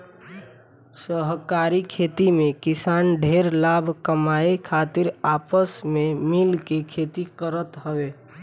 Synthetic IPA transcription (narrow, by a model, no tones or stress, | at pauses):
səɦkaːɾikʰeːt̪imẽkɪsaːnɖʱeːɾlaːbʱkəmaːekʰaːt̪ɪɾaːpəsmẽmɪlkekʰeːt̪ikəɾət̪ɦəʋeː